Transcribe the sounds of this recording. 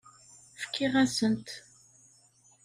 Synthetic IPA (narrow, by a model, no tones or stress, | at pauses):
fə̥kʰːɪʁæsənt̪